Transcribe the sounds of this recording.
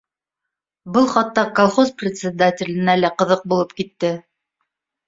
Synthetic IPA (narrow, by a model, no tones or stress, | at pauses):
bɤlˠχɑt̪ːɑkolˠχosprʲɪt̪sʲɪd̪atʲɪlʲɘ̆nælæqɤ̆ðɤq̚bulˠɤpkit̪ːɘ